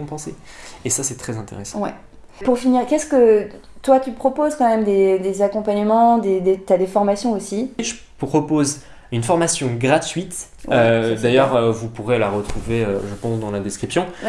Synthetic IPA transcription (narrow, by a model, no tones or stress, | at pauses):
ɔ̃pɑ̃se | esasɛt̪χɛzɛ̃t̪ḛʁesɑ̃wɛ̰ | puʁfiniʁkʲɛskə | t̪wat̪ypχɔpozkɑ̃mɛmd̪ed̪ezakɔ̃paɲəmɑ̃d̪ed̪et̪ad̪efɔʁmasjɔ̃osiʒə | pχɔpoz | ynfɔʁmasjɔ̃ɡʁat̪ɥit̪ | ød̪ajœʁøvupuʁelaʁət̪χuveøʒəpɑ̃sd̪ɑ̃lad̪ɛskχipsjɔ̃